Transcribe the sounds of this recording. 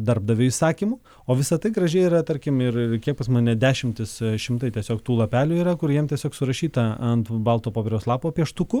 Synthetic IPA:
d̪ɐɾb̚d̪ɐʋʲɪɪsɑːkʲiːmʊ | oːʋʲɪsɐt̪ɐɪɡɾɐʒʲɛɪiːɾɐt̪ɐɾʲkʲɪmɪrkʲiɛk̚pɐsmɐːnʲɛd̪ʲæːʃʲɪmʲt̪ʲɪsʃʲɪmt̪ɐɪt̪ʲɛsʲoːkt̪uːlˠɐpʲæːlʲuiːɾɐkʊɾjiɛmt̪ʲiɛsʲoːksʊɾɐʃʲiːt̪ɐɐnt̪bɐlˠt̪oːpoːpʲeɾʲɛʊslˠɑːpoːpʲiɛʃt̪ʊkʊ

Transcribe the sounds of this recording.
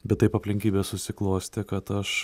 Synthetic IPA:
bʲɛt̪̚t̪ɐɪpɐpʲlʲɪŋʲkʲiːbʲeːssʊsʲɪklˠoːsʲt̪ʲɪkɐt̪ɐʃ

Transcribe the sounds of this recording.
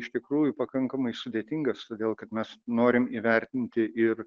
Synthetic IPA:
ɪʃt̪ʲɪkɾuːjʊpɐkɐŋkɐmɐɪsʊd̪ʲeːt̪ʲɪŋɡɐst̪oːd̪ʲeːlˠkɐt̪mʲɛsnoːɾʲɪmiʋʲɛɾʲt̪ʲɪnʲt̪ʲɪʔɪr

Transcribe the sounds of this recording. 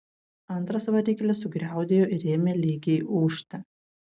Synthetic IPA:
ɐnˑt̪ɾɐsʋɐɾʲiːkʲɐlʲɛsʊɡɾʲæˑʊd̪ʲeːjoːʔɪɾʲeːmʲelʲiːɡʲeʔuːʃʲt̪ʲɐ

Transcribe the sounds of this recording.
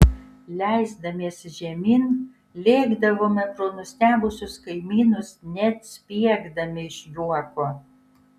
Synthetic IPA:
lʲæɪzd̪ɐmʲeːsʒʲɛmʲiːn | lʲeːɡd̪ɐʋoːmʲɛt̪ɾoːnʊsʲt̪ʲæːbʊsʲʊskɐɪmʲiːnʊsnʲɛt̪sʲpʲiɛɡd̪ɐmʲɪɪʃʲjuɔkoː

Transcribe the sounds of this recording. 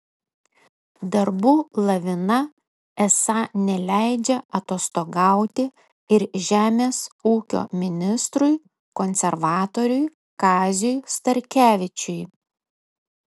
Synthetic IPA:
d̪ɐɾbuːlˠɐʋʲɪnɐ | ɛsɑnʲɛlʲæˑɪd͡ʒʲɛɐt̪oːst̪oːɡɑˑʊt̪ʲɪ | ɪɾʒʲæːmʲeːsuːkʲo̰ːmʲɪnʲɪst̪ɾʊɪ | kɔnʲsʲɛɾʋɑːt̪oːɾʲʊj | kɑːzʲʊjst̪ɐɾʲkʲæːʋʲɪt͡ʃʲʊj

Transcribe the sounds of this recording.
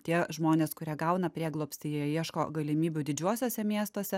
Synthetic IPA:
t̪ʲiɛʒmoːnʲeːskʊɾʲiɛɡɐʊnɐpʲɾʲiɛɡlˠoːpʲst̪ʲɪjiɛjiɛʃko̰ːɡɐlʲɪmʲiːbʲʊd̪ʲɪd͡ʒʲuɔsʲoːsʲɛmʲiɛst̪oːsʲɛ

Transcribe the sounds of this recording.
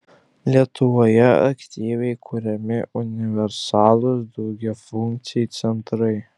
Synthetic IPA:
lʲitʰuwojɛa̰ktʲiːvʲejkʷʰʊɾʲɛmʲɪunʲivʲersalˠʊzd̪oɡʲafuŋk̪̚sʰijejt͡sʰentʰrəj

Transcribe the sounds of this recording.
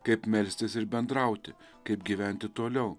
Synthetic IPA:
kɐɪpmʲɛlʲsʲt̪ʲɪsɪɾbʲɛnd̪ɾɐˑʊt̪ʲɪ | kɐɪpɡʲiʋʲæˑnʲt̪ʲɪt̪oːlʲɛʊ

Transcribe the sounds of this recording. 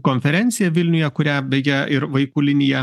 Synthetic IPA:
koːnʲfʲɛɾʲɛnʲt̪sʲɪjɛʋʲɪlʲnʲʊjɛkʊɾʲæbʲɛɡʲɛɪɾʋɐɪkʊlʲɪnʲɪjɛ

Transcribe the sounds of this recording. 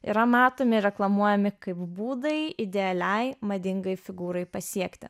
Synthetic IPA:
ḭɾɐmɑːt̪oːmʲɪɾʲɛklˠɐmuɔjɛmʲɪkɐɪpbuːd̪ɐjɪd̪ʲɛɐlʲɛɪmɐd̪ʲɪŋɡɐɪfʲɪɡuːɾɐɪpɐsʲiɛkt̪ʲɪ̰

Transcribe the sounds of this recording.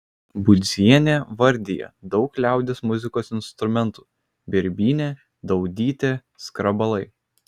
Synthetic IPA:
bʊd̪zʲiɛnʲeːʋɐɾʲd̪ʲɪjɛ̰d̪ɒʊklʲæˑʊd̪ʲɪsmʊzʲɪkoːsɪnst̪ɾʊmʲɛnt̪u̥ː | bʲɪɾʲbʲiːnʲe | d̪ɒʊd̪ʲiːt̪ʲeː | skɾɐbɐlˠɐɪ

